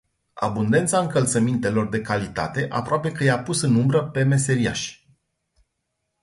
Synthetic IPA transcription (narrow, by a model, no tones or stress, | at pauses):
a̰bund̪e̞nt̪saɨŋkəlt̪səmint̪e̞lo̞rd̪e̞kalit̪a̰t̪e̞ʔa̰pɾoape̞kəjapusɨnumbɾəpe̞me̞se̞ɾia̰ʃʲ